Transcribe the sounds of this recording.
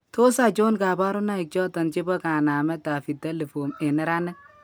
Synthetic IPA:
to˦sa˨t͡ʃo˦nka˨ba˦ɾʊ˦na˦ɪ˨k̚t͡ʃɔ˦tɔ˨nt͡ʃe˦bɔ˦ka˨na˨mɛ˦ta˨fi˨te˦le˨fo˨me˨nɛ˦ɾa˦nɛ˦k̚

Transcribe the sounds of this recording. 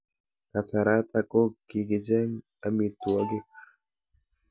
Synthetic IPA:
ka˨saɾa˦t̪ako˦ki˨ɡid͡ʒe˦ŋ | amit̪ua˦ɡi˦k

